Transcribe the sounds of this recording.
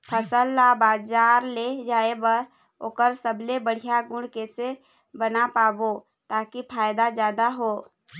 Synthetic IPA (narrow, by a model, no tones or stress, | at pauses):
pʰəsəlːabaːd͡ʒaːɾled͡ʒaːebəɾ | oːkəɾsəblebəɽ̤ijaɡʊ̃ɽ̤kese | bənapaːbo | t̪aːkipʰaːjd̪azjaːd̪aɦoː